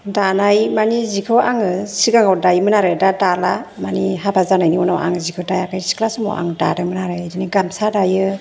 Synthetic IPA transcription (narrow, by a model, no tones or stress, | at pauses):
danajmanizikʰɯwʔaŋɯsiɡaŋawdajmɯnaɾɯdadalamaniɦabazanajniunawʔa̰ŋzikʰɯwdajakʰajsi̥kʰlasɯmɔ̰wʔa̰ŋda̰dɯmɯnaɾɯjdɯniɡamsadajɯ